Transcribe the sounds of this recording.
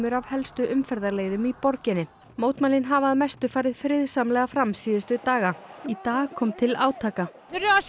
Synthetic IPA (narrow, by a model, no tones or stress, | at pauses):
mʏɾavhɛlst̪ʏʔʏmfɛɾðaɾleːjðʏmipɔɾcɪnɪ | moːwt̪malɪnɦaːvaːðmɛst̪ʏfaːɾɪðfɾɪðsamlɛɣafɾamsiːðɪst̪ʏt̪aːɣait̪aːɣkʰɔmt̪ʰɪlaːwt̪ʰaːka | ɾ